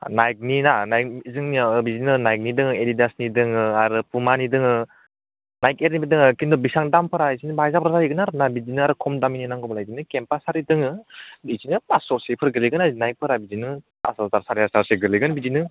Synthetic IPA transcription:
najk̚ninanajkizɯŋnibizinɯnajk̚nidɯŋɯelidasnidɯŋɯaɾɯpumanidɯŋɯ | najkeɾnibidɯŋɯkindɔbisaŋdampʰɯɾaizinɯbajzapɾazaiɡɯnaɾɯnabizinɯaɾɯkʰɔmdamininaŋɡɔbalajzinɯkempasaɾidɯŋɯbizinɯpasɔɾsepʰɯɾɡɯliɡɯnazinajk̚pʰɯɾabizinɯ | a̰sɔzaɾsaɾijasaɾseɡɯliɡɯnbizinɯ

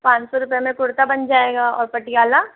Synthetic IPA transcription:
pãːt͡ʃsɔɾʊpemẽkʊɽt̪abɐnd͡ʒaːeːɡaɔːɾpɐʈːijaːlaː

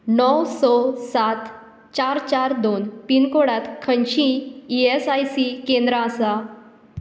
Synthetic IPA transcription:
nɔwsɔsat̪ | t͡ɕaɾt͡ɕaɾd̪onpinkoɽat̪kʰənɕĩiesajsikẽnd̪ɾaːsa

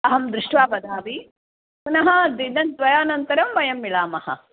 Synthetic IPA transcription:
ɐɦɐmd̪ɾuʂʈʋaːpɐd̪aːʋi | punɐɦɐd̪id̪ɐnt̪ʋɐjaːnɐnt̪ɐɾɐmʋɐjɐmːilaːmɐhɐ̰

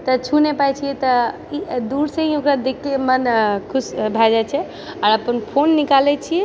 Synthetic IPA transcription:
t̪ɔt͡ʃʰunepajt͡ʃʰijɛt̪ɔ | id̪uɾsə̃ɦĩokɾad̪ekːemənkʰusbʱad͡ʒat͡ʃʰɛ | aɾəpənpʰonːikalɛt͡ʃʰijɛ

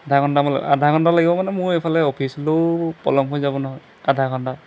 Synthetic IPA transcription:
ad̪ʱakʰɔndamal̰adʱakʰɔndalaɡibɔmanɛmʊɹepʰalɛopʰisɔlopɔ̰lɔmɦojzabɔnɔɦɔj | adʱakʰɔnda

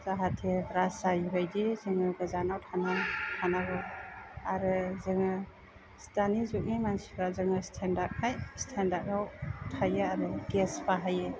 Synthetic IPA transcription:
zaɦatʰebɾasajɦɔjdizɯŋɯɡɯzanawtʰanatʰanaɡɔaɾɯzɯŋɯ | stʰanizuk̚nimansiɾazɯŋɯstʰendak̚ʰajstʰendakawtʰajɯaɾɯkespaɦajɯ

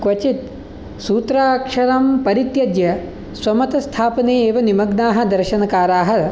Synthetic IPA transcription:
kʋɐt͡ʃit̪ | suːt̪ɾaːkʂɐɾɐmpɐɾit̪jɐd̪jɐ | sʋɐmɐt̪ɐst̪ʰaːpɐneːeːʋɐnimɐɡnaːɦɐ̆d̪ɐɾʃɐnɐkaːɾaːɦɐ

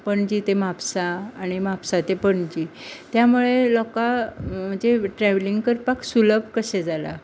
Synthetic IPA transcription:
pəɳd͡ʑiːt̪emapsaːɽ̃imapsat̪epəɳd͡ʑit̪jamuɭelɔkaməd͡ʑeʈɾɛʋliŋɡkəɾpaksuləbʱkəsɛd͡zala̰

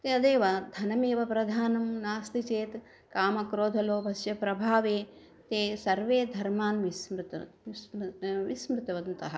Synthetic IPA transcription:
t̪eːɐd̪eːʋɐd̪ʱɐnɐmeːʋɐpɾɐd̪ʱaːnɐmnaːst̪it͡ʃeːt̪ | kaːmɐkɾoːd̪ʱɐloːbʱɐsjɐpɾɐbʱaːʋeː | t̪eːsɐɾʋeːd̪ʱɐɾmaːnʋismɾɪt̪ɐsʋismɾɪt̪ɐʋɐnt̪ɐɦɐ̰̆

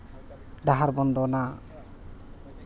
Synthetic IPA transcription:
ɖaɦaɾbɔnd̪ona

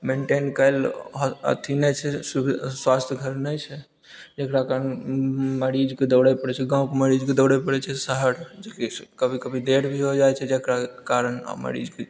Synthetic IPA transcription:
meɳʈenkələ̰t̪ʰinɛt͡ʃʰɛsuswast̪ʰjəɡʱəɾnəjt͡ʃʰɛ | d͡ʒekɾakaɾənməɾid͡ʒked̪əɽəpəɽɛt͡ʃʰɛɡãũkeməɾid͡ʒked̪əwɽəpəɽɛt͡ʃʰɛsəɦəɾd͡ʒekekəbʱikəbʱid̪eɾbʱiɦod͡ʒajt͡ʃʰɛd͡ʒekɾakaɾəna̰mə̰ɾḭd͡ʒke

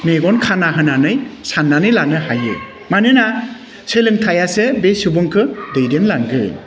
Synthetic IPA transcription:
neɡɔnkʰanaɦɯnanɯjsanːanɯjlanɯhajɯ̰ | manɯna | sɯlɯŋtʰajasebesubɯŋkʰɯdɯjdemlaŋɡɯ̰

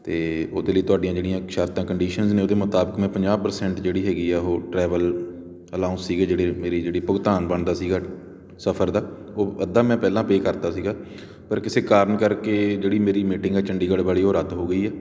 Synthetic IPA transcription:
t̪eːoːd̪eːləiːt̪ʊaːɖijãːd͡ʒeːɽijãːʃaːɾt̪ãːkəɳɖiːʃənzneːoːd̪eːmət̪aːbəkmɛ̃ːpəɲd͡ʒaːbpəɾsɛ̃ːɳʈd͡ʒeːɽiːɦɛːɡiːɛːɦoːʈɾɛːʋəl | əlãːʊ̃nssiːɡeːd͡ʒeːɽeːmeːɾiːd͡ʒeːɽiːpʊɡt̪aːnbəɳd̪aːsiːɡaː | səpʰəɾd̪aːoːəd̪ːaːmɛ̃ːpɛːlãːpeːkəɾt̪aːsiːɡaː | pəɾkɪseːkaːɾənkəɾkeːd͡ʒeːɽiːmeːɾiːmiːʈɪ̃ŋɡɛːt͡ʃəɳɖiːɡəɽbaːliːoːɾəd̪ɦoːɡəiːɛː

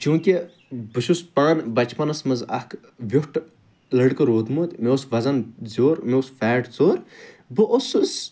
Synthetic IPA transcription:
t͡ʃũːkʲi | bɨʃuspaːnbɐt͡ʃpɐnɐsmɐzɐkʰ | ʋʲufʈ | lɐɽkɨɾoːd̪mut̪ʲmeosʋɐzɐnzoːɾmeusfɛːʈt͡soːɾ | bɨʔoss

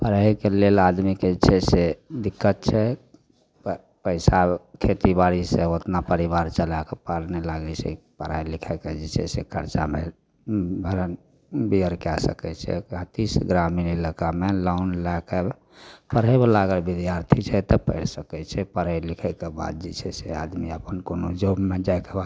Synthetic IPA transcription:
pəɾəjkelelad̪miket͡ʃʰɛsed̪ikːət̪̚t͡ʃʰɛ | p | pəɪsakʰet̪ibaɽisẽot̪napəɾibaɾt͡ʃəlakepaɾnelaɡɛt͡ʃʰɛ̰pəɾajlikʰɛkɛd͡ʒɛt͡ʃʰɛ̰sḛkʰəɾt͡ʃame | ɡʱəɾən | biəɾkeasə̰kɛt͡ʃʰɛ̰at̪isɡɾaminiləkamelaʊnlake | pəɾɛbelaɡəɾbid̪jaɾt̪ʰit͡ʃʰɛt̪ɔpə̰ɪɾsəkɛt͡ʃʰɛpəɾəjlikʰɛkeba̰d̪̚d͡ʒit͡ʃʰɛsead̪miəpənkonod͡ʒobmed͡ʒaɛkebad̪

